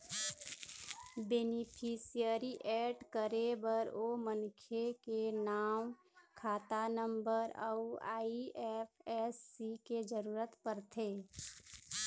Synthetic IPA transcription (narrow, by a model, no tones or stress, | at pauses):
beːnɪpʰiːsijəɾiʔɛːɖkəɾebəɾoːmənkʰekenaːm | kʰaːt̪anəmbəɾə̰uaːiɛpʰɛsːiked͡ʒəɾuːɾət̪pəɾt̪ʰeː